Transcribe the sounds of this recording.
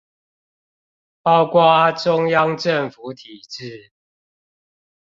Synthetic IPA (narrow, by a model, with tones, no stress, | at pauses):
pɑ˦ʊkwa˦ʈ͡ʂʊ˦ŋjɑ˦ŋʈ͡ʂə˥˨ŋfu˨˦t̪ʰi˨˩ʈ͡ʂɻ̩˥˨